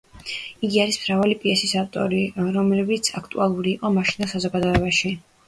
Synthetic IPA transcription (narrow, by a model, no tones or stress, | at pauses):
iɡiaɾismɾavalipʼiɛsisaft̪ʼɔ̰ɾiɾɔmlɛbit̪sʰakʰt̪ʼṵalˠuɾiːqʼɔmaʃinasazɔɡad̪ɔɛbaʃi